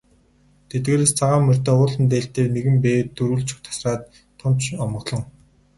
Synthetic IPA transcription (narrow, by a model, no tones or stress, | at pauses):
t̪ʰet̪̚ɡeːɾeːst͡sʰaʁaːmːɵr̥ʲt̪eːʊːɮə̆nt̪̬eːɬt̪eːneɣɘ̆mpeːt̪ːɵɾuːɮt͡ɕʰʊ̥̆kt̪ʰḁsraːt̪ʰː | ʊm̥t͡ɕʰɔmɞ̆ɮɞ̆ŋ